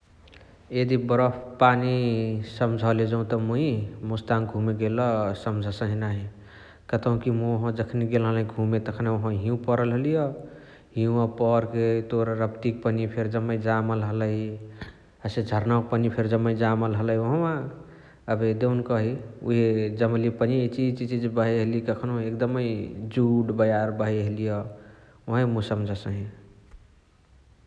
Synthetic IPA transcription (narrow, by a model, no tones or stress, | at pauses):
jed̪ibɾəpʰpanisəmd͡ʒʱəled͡ʒəũt̪ɔmuimust̪anɡʱũmeɡelɔsəmd͡ʒʱsə̃ɦinaɦi | kət̪əɦũkimuɦɔ̃d͡ʒəkʰneɡelɦəlĩɡʱũmet̪əkʰneoɦə̃ɦĩũpəɾəlɦəlijɔ | ɦiũapɔɾket̪oɾɾəpt̪ik̚pənipʰeɾd͡ʒəmːəid͡ʒaməlɦələi | əsed͡ʒʱəɾnək̚pənipʰeɾd͡ʒəmːəid͡ʒaməlɦələɦioɦə̃ã | əbʱed̪eunkəɦiṵɦed͡ʒəmlipənit͡ʃit͡ʃit͡ʃid͡ʒbəɦeɦelikəkʰnuekd̪əməjd͡ʒuɖbəjaɾbəɦeɦelijɔ | woɦẽmusəmd͡ʒʱəsəɦĩ